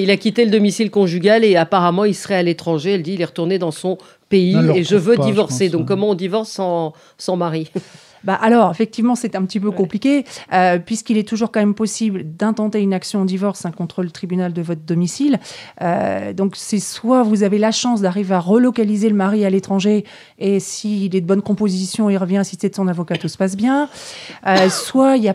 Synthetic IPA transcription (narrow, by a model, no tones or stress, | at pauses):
ilakʲit̪eləd̪ɔmisilkɔ̃ʒyɡʲaleapaʁamɑ̃ilsəʁɛalet̪χɑ̃ʒeɛld̪iːlɛʁət̪uʁned̪ɑ̃sɔ̃ | peieʒəvød̪ivɔʁsed̪ɔ̃kːɔmɑ̃ɔ̃d̪ivɔʁsːɑ̃ː | ɑ̃maʁi | baʔalɔʁefɛk̚t̪ivmɑ̃sɛt̪ɛ̃pət̪ipøkɔ̃plikʲeøpɥiskilɛt̪uʒuʁkɑ̃mɛmpɔsibld̪ɛ̃t̪ɑ̃t̪eynaksjɔ̃ɑ̃d̪ivɔʁsɛ̃kɔ̃t̪χələt̪χibynald̪əvɔt̪χd̪ɔmisilø̰d̪ɔ̃ksɛswavuzavelaʃɑ̃s̬d̪aʁiveaʁəlɔkalizeləmaʁialet̪χɑ̃ʒe | esiːlɛd̪əbɔnkɔ̃pozisjɔ̃ilʁəvjɛ̃sisɛd̪əsɔ̃navɔkat̪usə̥pas̬bjɛ̃ | øswailja